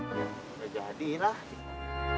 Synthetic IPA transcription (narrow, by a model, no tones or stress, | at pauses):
ad͡ʒadilahi